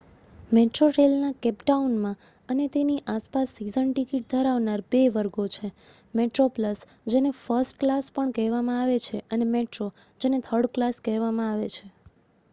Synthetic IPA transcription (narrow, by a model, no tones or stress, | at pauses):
meʈɾoʈelnakɛpʈaunmã | ənet̪eniʔaspasːizəɳʈikiʈ̚d̪ʱəɾaʋnaɾbeʋəɾɡot͡ʃʰe | meʈɾopləs | d͡ʒenefəɾsʈklaspəɳkɛɦʋamãaʋet͡ʃʰeʔənemeʈɾo | d͡ʒenet̪ʰəɾɖklaskɛɦʋamãaʋet͡ʃʰe